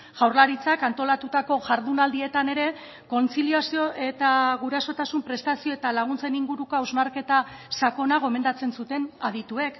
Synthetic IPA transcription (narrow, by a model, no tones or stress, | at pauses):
ʝawɾlaɾit͡sakant̪o̞lat̪ut̪ako̞ʝaɾðunald̪ie̞t̪ane̞ɾe̞ | ko̞nt͡siliasio̞ʔe̞t̪aɣuɾaso̞t̪asumpɾe̞st̪asio̞e̞t̪alaɣ̞unt͡se̞niŋɡuɾuko̞awzmaɾke̞t̪a | sako̞naɣ̞o̞me̞nd̪at͡se̞nsut̪e̞naðit̪ue̞k